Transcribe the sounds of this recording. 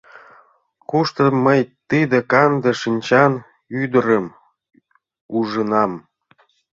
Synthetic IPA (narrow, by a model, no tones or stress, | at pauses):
kuʃt̪əmːəjt̪id̪ə̆kɑnd̪ə̆ʃinʲt͡ɕɑn | yd̪əɾəm | uʒənɑm